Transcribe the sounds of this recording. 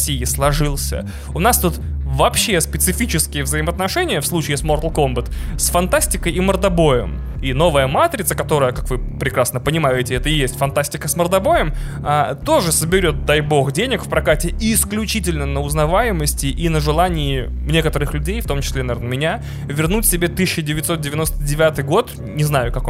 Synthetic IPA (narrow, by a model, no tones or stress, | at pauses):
sʲijɪslˠɐʐɨlˠsʲə̰ | ʊnast̪ut̪ | vɐpɕːe̞spʲɪt̪sɨfʲit͡ɕɪskʲɪjəvzəɪməɐt̪nɐʂɛnʲɪjəfslˠut͡ɕɪɪsmort̪lˠko̞mbət̪sfɐnt̪asʲtʲɪkəjimərd̪ɐbo̞jɪ̰m | ino̞vəjəmat̪ɾʲɪt̪səkɐt̪o̞ɾəjəkakvɨpɾʲɪkɾasnəpənʲɪmajʊɪtʲɪɛt̪əjesʲtʲfɐnt̪asʲtʲɪkəsmərd̪ɐbo̞jɪm | at̪o̞ʐɨsəbʲɪɾʲo̞t̪̚d̪ajbo̞xdʲenʲɪkfpɾɐkatʲɪiːsklʲʉt͡ɕitʲɪlʲnənəʊznɐvajɪməsʲtʲɪʔinəʐɨlˠanʲɪɪ | nʲe̞kət̪əɾɨxlʲʉdʲejft̪o̞mt͡ɕɪ̥sʲlʲenɐvʲernəmʲɪnʲa | vʲɪrnutʲsʲɪbʲe̞t̪ɨɕːɪdʲɪvʲɪt̪ʲso̞t̪̚dʲɪvʲɪno̞st̪ədʲɪvʲat̪ɨjɡo̞t̪ | nʲɪznajʊkɐko